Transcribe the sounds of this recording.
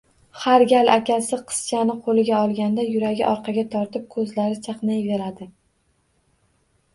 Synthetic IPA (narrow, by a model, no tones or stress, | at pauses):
haɾɡʲalʔakʲasɪqʰɨ̥st͡ʃʰanɪqʰolɪɡʲaɒlˠɡʲand̪ajʊɾaɡʲɪ̰ʔɒɾqʰɑɡʲat̪ʰɒɾt̪ɪp̚kʰɵzlaɾɪt͡ʃʰɑqnajve̞ɾad̪ɪ